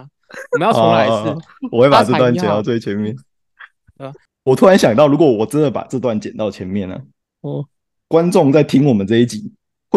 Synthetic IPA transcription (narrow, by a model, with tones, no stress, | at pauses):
jɔ˧ | wɔ˨˩wpa˨˩ʈ͡ʂɤ˥˧t̪wa˥˩nt͡ɕɛ˨˩nt̪ɑ˥˧ʊt͡swe˥˩ɪt͡ɕʰjɛ˧˥nmjɛ˥˩n | wɔ˨˩t̪ʰu˥ɻa˧˥nɕjɑ˨˩ŋt̪̬ɑ˥˩ʊɻu˧˥kwɔ˨˩wɔ˨˩ʈ͡ʂə˦nd̪ə˨˩pa̰˨˩ʈ͡ʂɤ˥˧t̪wa˥˩nt͡ɕjɛ˨˩nt̪ɑ˥˩ʊt͡ɕʰjɛ˧˥nmjɛ˥˩nə̰˩ | kwa˦nʈ͡ʂʊ˥˨˧ŋt͡sa˥˩ɪt̪ʰi˦˥ŋwɔ˨˩mə˦t͡sɤ˥˧i˥˩t͡ɕi˨˩˦ | x